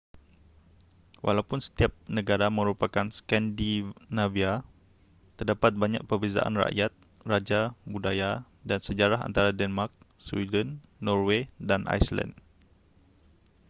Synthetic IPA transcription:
wʔa̰lawpʊnsə̥t̪iap̚nə̃ɡaɾamə̃ɾupakanskɛndinavia | t̪ərdapat̪̚baɲa̰k̚pərbeza̰ʔa̰nra̰ʔjat̪̚ | rad͡ʒabudaja | dansəd͡ʒaɾaɦa̰nt̪aɾadɛnmark̚ | swḭdənː | ɔrwedanʔa̰jsla̰nd

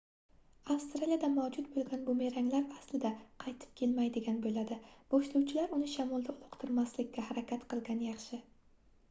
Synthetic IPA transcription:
afst̪ɾalijad̪amawd͡ʒʊt̪bolˠɡʲanbʊme̞ɾaŋlaɾaslɪd̪aqʰɑjt̪ʰɪ̥p̚kʲʰe̞lmajd̪ɪɡʲanbolad̪ɪb̥oʃlʊwt͡ʃʰɪlaɾʊnɪʃamɒlˠd̪aʊlˠoqt̪ʰɪɾmaslɪkʲːahaɾakʲʰat̪qʰɨlˠɡʲanjɑχʃɪ

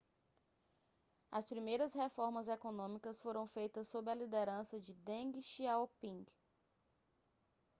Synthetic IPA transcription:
ɐspɾimejɾɐshefɔɾmɐzekonõmikɐsfoɾɐ̃w̃fejt̪ɐsːobɾɪɐlid̪eɾɐ̃sɐd͡ʒɪd̪ẽɡiʃiaopĩŋɡ

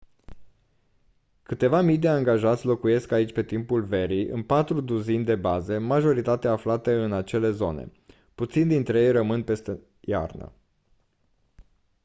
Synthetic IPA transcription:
kɨt̪e̞vamijd̪e̞aŋɡaʒat̪sʲlo̞kuje̞skait͡ʃʲpe̞t̪impulve̞ɾiɨ̰npat̪ɾud̪uzinʲd̪e̞bazemaʒo̞ɾit̪at̪eaːflat̪əɨnat͡ʃe̞le̞zo̞nḛ | put̪sind̪int̪ɾe̞jejrəmɨnpe̞st̪e | ja̰rnə̰

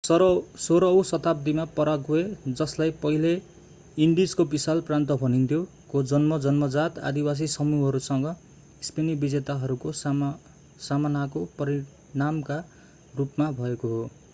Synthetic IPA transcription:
soɾʌwsʌt̪abd̪imapʌɾʌɡued͡zʌslajpʌɦile | iɳɖid͡zkobisalprant̪ʌbʱʌnint̪ʰjo | kod͡zʌnmʌd͡zʌnmʌd͡zat̪a̰d̪iwas̬isʌmuɦʌɾusʌŋɡʌ | ispenibid͡zet̪aɦʌɾukos | samanakopʌɾi | namka | rupmabʱʌekoɦo

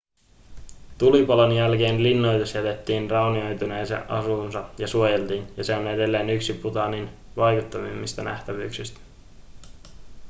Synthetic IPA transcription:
t̪ulipɑlonjælke̞ːnlinːo̞jt̪esjæt̪e̞t̪ːiːnrɑwnio̞jt̪une̞ːsḛʔʔɑ̰sunsɑjɑsuo̞je̞lt̪iːnjɑseonede̞lːe̞ːnyksiput̪ɑnin | ʋɑjkut̪ːɑʋimːist̪ɑnæ̰ht̪æʋyːksist̪æ̥

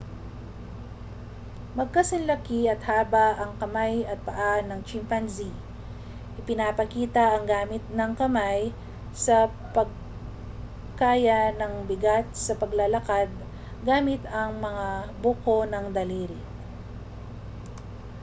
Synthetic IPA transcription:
mɐɡ̚kɐsɐnlɐkiɐt̪haːbaʔɐŋkɐmajɐt̪̚pɐʔanɐŋt͡ʃɪmpanzi | ʔɪpɪnapɐkiːt̪ɐʔɐŋɡaːmɪt̪̚nɐŋkɐmaj | sɐ | pɐɡ̚ | kaːjɐnɐŋbɪɡat̪̚sɐpɐɡlɐlɐkad̪̚ | ɡaːmɪt̪ɐŋmɐŋabokonɐŋd̪ɐliːɾɪ

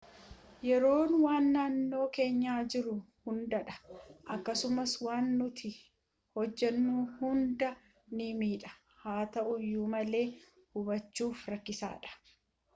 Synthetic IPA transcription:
jɛɾo̞ːnwaːnːaːnːo̞ːke̞ːɲːaːd͡ʒɪɾʊhʊnd̪ɐᶑɐ̥ʔɐkːɐsʊmɐswaːnːʊt̪ɪ | hɔd͡ʒːɛnːuːhʊnd̪ɐ | nɪmiːᶑɐ̥ | haːt̪ɐʔʊjːuːmɐle̞ː | hʊbɐt͡ʃːuːfɾɐkːɪsa̰ːᶑɐ̥

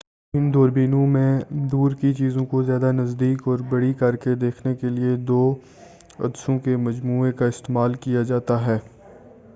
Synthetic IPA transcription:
ɪmd̪oːɾbiːnõmẽd̪uːɾkit͡ʃiːzõkozjaːd̪anɐzd̪iːkɔːɾbɐɽikɐɾked̪eːkʰnekelied̪oː | ɐ̰d̪sõkemɐd͡ʒmuːekaɪst̪eːmaːlkijad͡ʒaːt̪aɦɛː

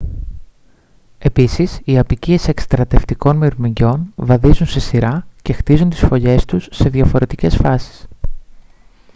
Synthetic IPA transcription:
e̞pisisiɐpicie̞se̞kst̪ɾɐt̪e̞ft̪iko̞nmiɾmiɲɟo̞nvɐðizunse̞siɾɐce̞xt̪izunt̪i̥sfo̞ʎe̞st̪usːe̞ðʝɐfo̞ɾe̞t̪ice̞sfɐsi̥s

